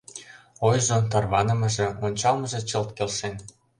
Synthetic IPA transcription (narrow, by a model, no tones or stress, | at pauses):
ojʒot̪ɑrβɑnə̆mɤ̆ʒĕonʲt͡ɕɑlmɤ̆ʒĕt͡ɕɤlt̪kelʃen